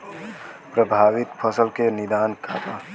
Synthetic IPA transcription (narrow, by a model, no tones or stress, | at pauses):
pɾəbʱaːʋɪt̪pʰəsəlkenɪd̪aːnkʰa̰ːt̪a